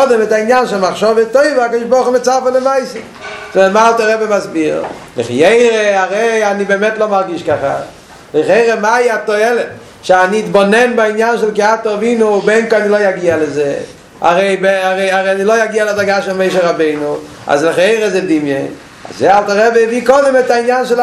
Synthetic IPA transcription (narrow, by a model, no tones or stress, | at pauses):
dɛmɪtaɪnjanʃɛlˠmaχʃɔvətoɪvakɔdɪʒbɔɾχumɪt͡safələmaɪse | svɛtmaalˠtaʁɛbemazbiʁlɪ̰χjeɪʁeaʁeɪanibɛmɛtlˠomaʁɡiʃkaχa̰ | lɪχeɪʁemaiatɔɛlɛt | ʃaniːtbonɛnbainjanʃɛlˠkɪatɔvinubɛŋkoanilojaɡialeze | a̰ʁeɪbeaʁeɪaʁeɪanilojaɡialɪzaɡaʃɛlmeɪʃ̬eʁabeɪnu | a̰zlɪχjeɪʁezedimjɛn | a̰zːealˠtaʁɛbeviːkɔdɪmɛtainjanʃɛl